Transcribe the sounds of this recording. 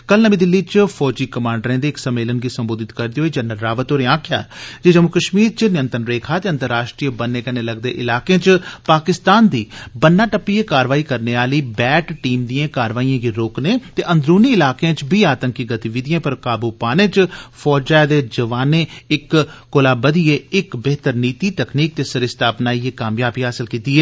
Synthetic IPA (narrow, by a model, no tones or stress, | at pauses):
kəlnəʋĩːd̪ɪlːiːt͡ʃpʰɔːd͡ʒiːkəmãːɳɖɾẽːd̪eːksəmːeːlənɡiːsəmboːd̪ɪt̪kəɾd̪iːɦoːiːd͡ʒənːəlɾaːʋət̪oːɾẽːãːkʰja̰ːd͡ʒeːd͡ʒəmukəʃmiːɾt͡ʃnɪjənt̪ənɾeːkʰaːt̪eːənt̪əɾaːʃʈɾijəbənːeːkəneːləɡd̪ḛːʔɪlaːkeẽːt͡ʃpaːkɪst̪aːnd̪iːbənːaːʈəpːieːkaːɾʋaːiːkəɾneːaːliːbɛːʈʈiːmd̪ijãːkaːɾʋaːijãːɡiːɾoːknẽːt̪eːʔə̃nd̪ɾuːniɪlaːkãːt͡ʃbʱiːaːt̪ə̃ŋkiɡət̪iʋɪd̪ɪjãːpəɾkaːbuːpaːnẽːt͡ʃfʰɔːd͡ʒaːd̪eːd͡ʒəʋaːneːɪkːoːlaːbəd̪ieːɪkbeːt̪əɾniːt̪iːt̪əkniːk̚t̪eːsəɾɪst̪ʰaːpnaːieːkaːmjaːbiːɦaːsɪlkiːt̪iːɦɛː